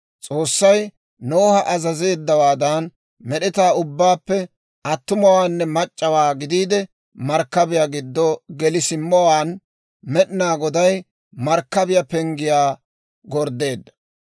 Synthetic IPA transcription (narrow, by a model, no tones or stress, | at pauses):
t͡sʼo̞ːsːɐj | noːhɐʔɐzɐze̞ːd̪ːɐwaːd̪ɐn | mɛɗɪt̪aːʊbːaːpːɛ | ʔɐt̪ːʊmɔwaːnːɛmɐt͡ʃʼːɐwaːɡɪd̪iːd̪ɛ | mɐɾkːɐbɪjaːɡɪd̪ːɔɡɛlɪsɪmːɔwaːn | mɛɗɪnaːɡɔd̪ɐj | mɐɾkːɐbɪjɐpɛŋɡɪjaː | ɡɔɾd̪ːe̞ːd̪ːɐ̥